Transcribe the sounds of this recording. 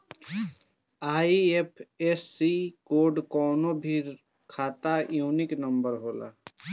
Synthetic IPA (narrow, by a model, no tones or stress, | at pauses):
aːiepʰesːikoːɖkɔːnobʱiːɾ | kʰaːt̪ajuːnɪknəmbəɾɦoːla̰